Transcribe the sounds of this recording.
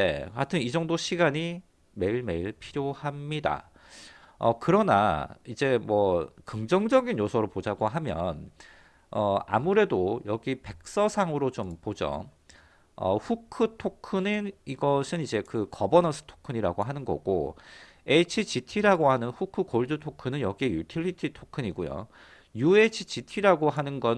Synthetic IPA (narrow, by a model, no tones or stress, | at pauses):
ḛatʰɯnid͡ʑʌŋdoɕʰiɡaɲi | me̞iɭme̞iɭpʰiɾjohamɲida̰ | ʌ̰kɯɾʌna̰id͡ʑe̞mwʌkɯŋd͡ʑʌŋd͡ʑʌɡinjosʰʌɾɯɭpod͡ʑaɡoɦamjʌ̰n | ʌa̰muɾe̞dojʌɡipe̞k̚s͈ʌsʰaŋɯɾot͡ɕompod͡ʑo̰ | ʌ̰ɸukʰɯtʰokʰɯniniɡʌsʰɯnid͡ʑe̞kɯkʌbʌnʌsʰɯ̥tʰo̥kʰɯɲiɾaɡoɦanɯnɡʌ̰ɡ̥o̰ | e̞t͡ɕʰit͡ɕitʰiɾaɡoɦanɯnɸukʰɯkoɭdɯtʰokʰɯnɯnjʌɡiejutʰiɭitʰitʰokʰɯɲiɡojo̰ | juet͡ɕʰit͡ɕitʰiɾaɡoɦanɯnɡʌ